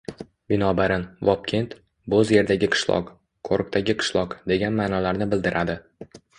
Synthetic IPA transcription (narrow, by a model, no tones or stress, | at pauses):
bɪnɒbaɾɪnvɒp̚kʲʰe̞nt̪ | bozje̞ɾd̪aɡʲɪqʰɨ̥ʃlˠɒ̰q | kʰoɾk̚t̪ʰaɡʲɪqʰɨ̥ʃlˠɒqd̪e̞ɡʲanmaːnɒlaɾnɪbɪld̪ɪɾʔad̪ɪ